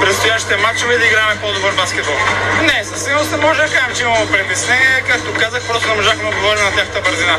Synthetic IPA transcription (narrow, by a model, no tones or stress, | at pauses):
pɾɛt̪st̪ʊjaʃt̪i̥t̪ɛmat͡ʃʊvid̪ɐiɡɾamɛpɔd̪obəɾbaskʲɛt̪̚bɔlˠnɛsɐsimost̪ɛmɔʒɛd̪ɐkaʒɛmt͡ʃimɐopɾɛp̪isnɛkak̚t̪okazəxpɾɔst̪onɛmoʒakmɛod̪ɡovɔɾɛnnɐt̪axət̪əbəɾzina